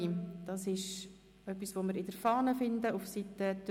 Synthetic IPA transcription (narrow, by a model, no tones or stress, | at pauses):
d̥ɑsɪʃ | œpːisʋoːməɾɪdəɾfɑːnəfɪndəufsitːəd